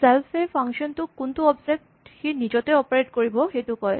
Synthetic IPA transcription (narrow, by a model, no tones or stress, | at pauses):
sɛlfepʰaŋʃɔntʊkuntuɔbzek̚txinid͡ʑɔtɛɔpaɹetkoɹibɔxejtʊkɔj